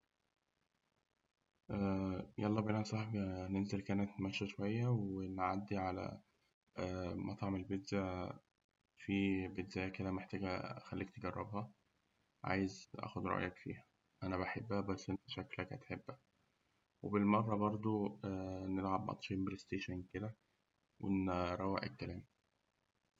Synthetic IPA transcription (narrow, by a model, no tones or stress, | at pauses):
ʔæjʔɑlˤːɑːbʔlænsˤɑħbinenzelkæːnet̪mæʃæʃowæjːæwenʕad̪ːiʕalæ̰ | ʔæːmʔæt̪ˤɑʕmelbed̪zæ | fibed̪zæjækelæmeħt̪æːɡæxælːiːk̚t̪eɡærˤːɑ̰bhɑ | ʕa̰ːjezʔæ̰ːxod̪ɾˤɑ̰ʔjɑkfḭːhæ | ʔænæbæħebːæhæbæsːʔent̪æʃæklækhæ̰t̪ħebːæ | webelmɑrˤːɑbɑɾˤd̪ˤo | nelʕabmʔɑ̰t̪ˤʃimbelest̪eːʃænked̪æ | wʔḛnɾˤɑwːeʔḛkːælæːm